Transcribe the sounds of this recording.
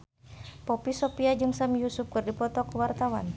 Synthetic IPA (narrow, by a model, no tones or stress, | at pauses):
pɔpisɔpiad͡ʒɨŋsamjusʊp̚kɨrdipɔt̪ɔkəwart̪awa̰n